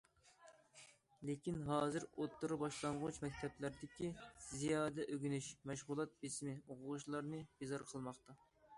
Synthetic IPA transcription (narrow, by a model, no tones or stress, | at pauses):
lekʲinɦɑːzɨɾot̪ːuɾubɑʃlˠɑɴʁʊt͡ʃmɛk̚ʲt̪ʰɛplæɾd̪ɪkʲizijɑːd̪ɛʔøɡʲynyʃmɛʃʁʊlˠɑt̪̚besmɪoqʰʊʁʊʃlˠɑɾnɨb̥ezɑɾqʰəlˠmɑχt̪ɑ